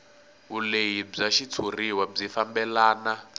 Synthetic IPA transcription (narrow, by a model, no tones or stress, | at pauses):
ɦulejib͡ʐaʃit͡sʰuriwab͡ʐifambɛlaːna